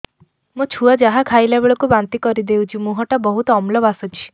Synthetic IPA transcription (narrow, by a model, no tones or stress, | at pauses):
mũt͡ʃʰuad͡ʒaɦakʰajlabeɭɔkubant̪ikɔɾid̪eũt͡ʃʰimũɦɔʈabɔɦut̪ɔɔmlɔbasɔt͡ʃʰi̥